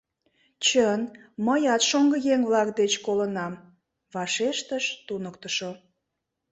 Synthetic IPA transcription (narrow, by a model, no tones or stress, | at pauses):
t͡ɕənməjɑt̪ʃoŋɡəjeŋβlɑkd̪et͡ɕkolənɑm | βɑʃeʃt̪əʃt̪unəkt̪əʃo